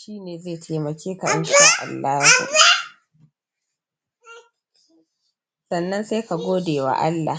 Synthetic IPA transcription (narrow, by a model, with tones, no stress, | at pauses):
ʃiː˦neː˨zeː˦˨tʰeː˨mɐ˨kʲeː˦ka˨ʔɪ˦nʃi˨wa̰˦ʔa̰˨lːaː˦hṵ˨ʔ | sɐ˨nːɐ˦nse˦jka˨ɡʷoː˦deː˨wa̰˨ʔa˦lːa̰˨